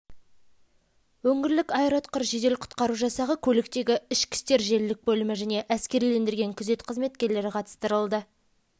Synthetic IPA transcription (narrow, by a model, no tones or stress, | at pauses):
wɵŋʲɪɾlɪkɑjɾɑt̪qəɾʒe̞d̪e̞lqʰʊ̥t̪qɑɾuʒɑsɑʁəkʲʰɵlɪk̚t̪e̞ɡʲɪɪʃkʲɪ̥st̪e̞ɾʒe̞lːɪk̚bɵlɪmɪʒæne̞ʔæskʲe̞ɾile̞nd̪ɪɾɡʲe̞ŋkʲʰʏze̞t̪qʰəzme̞t̪kʲe̞ɾle̞ɾɪqʰɑt̪ə̥st̪əɾəlˠd̪ə